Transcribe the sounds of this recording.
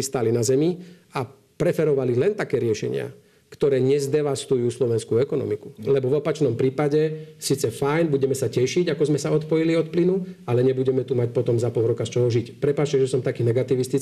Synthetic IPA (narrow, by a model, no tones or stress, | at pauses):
ist̪alinazɛmi | a | pɾɛfɛɾɔʋalilɛnt̪akɛːɾɪɛʃɛ̰ɲɪa̰ | kt̪ɔɾɛːɲɛzd̪ɛʋast̪ujuːslɔʋɛnskuɛkɔnɔ̰miku̥lɛbɔʋɔpat͡ʃnɔmpɾiːpaɟɛsiːt͡sɛfajnbuɟɛmɛsacɛʃiɟakɔzmɛsaɔt̪pɔjiliɔt̪̚plinualɛɲɛbuɟɛmɛt̪umac̚pɔt̪ɔmzapɔlˠɾɔkast͡ʃɔɦɔʒicpɾɛpaːt͡ʃcɛʒɛsɔmt̪akiːnɛɡat̪iʋist̪i